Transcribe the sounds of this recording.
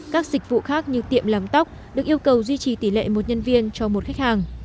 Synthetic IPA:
kaː˦˥k̚zï˨˩k̟̚vṵ˧˨xaː˦˥k̚ɲɨ˧t̪ḭ˧˨əmlaː˨˩mt̪a˦˥wk͡p̚ | ɗɨ˨˩ək̚ʔi˧əwkə˨˩wzwi˧t͡ɕi˨˩t̪i˧˩lḛ˧˨mo˨˩t̚ɲə˧nvi˧ənt͡ɕɔ˧mo˨˩t̚xa˦˥jk̟̚haː˨˩ŋ

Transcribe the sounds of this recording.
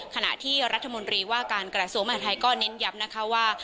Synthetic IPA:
kʰa˧na̰˨˩ʔt̪ʰiː˥˩ɾa˦˥t̪ʰːa˧mo˧nt̪ɾiː˧waː˥˩kaː˧nkɾa˧su˨˩˦ŋma˧haː˨˩t̪ʰa˧jkɔː˥˩ne˦˥nja˦˥m̚na˦˥kʰa˦˥waː˥˩

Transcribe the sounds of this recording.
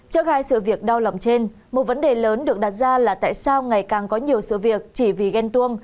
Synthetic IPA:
t͡ɕə˦˥k̚haː˧jsɨ̰˧˨vi˨˩ək̚ɗa˧wla̰˨˩wŋ͡mt͡ɕe˧n | mo˨˩t̚və˨˦nɗe˨˩ləː˨˦nɗɨ˨˩ək̚ɗaː˨˩t̚zaː˧laː˨˩t̪a̰ː˧˨jsaː˧wŋa˨˩jkaː˨˩ŋkɔ˨˦ɲi˨˩əwsɨ̰˧˨vi˨˩ək̚t͡ɕi˧˩vi˨˩ɣɛ˧nt̪u˧əŋ

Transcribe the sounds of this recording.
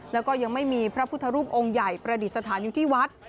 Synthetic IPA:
lɛ˦˥wkɔː˥˩ja˧ŋma˥˩jmiː˧pʰɾa˦˥pʰu˥t̪ʰːa˧ɾuː˥˩p̚ʔo˧ŋja˨˩jpɾa˧di˨˩t̪̚sa˧t̪ʰaː˩˦njuː˨˩t̪ʰiː˥˩wa˦˥t̪̚

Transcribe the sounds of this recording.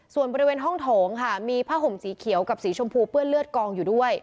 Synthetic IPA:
su˨˩ənbɔː˧ɾi˧weː˧nɦɔ˥˩ŋt̪ʰoː˩˦ŋkʰa˥˩miː˧pʰaː˥˩ɦo˨˩˦msiː˩˦kʰi˩˦əwka˨˩p̚siː˩˦t͡ɕʰo˧mpʰuː˧pɯ˥˩ənlɯ˥˩ət̪̚kɔː˧ŋjuː˨˩du˥˩əj

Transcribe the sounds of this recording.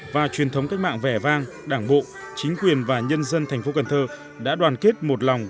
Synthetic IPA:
vaː˨˩t͡ɕwi˨˩ənt̪ʰə˨˦wŋ͡mka˦˥k̟̚ma̰ː˧˨ŋvɛ˧˩vaː˧ŋ | ɗaː˧˩ŋɓo̰˧˨ | t͡ɕï˨˦ŋ̟kwi˨˩ənvaː˨˩ɲə˧nzə˧nt̪ʰa˨˩jŋ̟fo˨˦ka˨˩nt̪ʰəː˧ | ɗa̰ː˧˥ɗwaː˨˩nke˦˥t̚mo˨˩t̚lɔ˨˩wŋ͡m

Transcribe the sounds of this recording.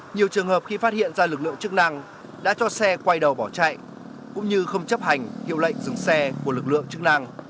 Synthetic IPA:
ɲi˨˩əwt͡ɕɨ˨˩əŋhəː˨˩p̚xi˧faː˦˥t̚hḭ˧˨ənzaː˧lɨ˨˩k̚lɨ̰˧˨əŋt͡ɕɨ˦˥k̚na˧ŋ | ɗa̰ː˧˥t͡ɕɔ˧sɛ˧kwa˧jɗə˨˩wɓɔ˧˩t͡ɕa̰ː˧˨j | kʊ̰˧˥ŋ͡mɲɨ˧xə˧wŋ͡mt͡ɕə˦˥p̚ha˨˩jŋ̟hḭ˧˨əwlə̰˧˨jŋ̟zɨ˨˩ŋsɛ˧ku˧˩əlɨ˨˩k̚lɨ̰˧˨əŋt͡ɕɨ˦˥k̚na˧ŋ

